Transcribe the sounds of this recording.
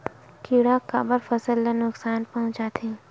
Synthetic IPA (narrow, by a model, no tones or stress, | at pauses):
kiɽakaːbəɾfəsəlːənʊksaːnpɐɦʊ̃t͡ʃaːt̪ʰẽː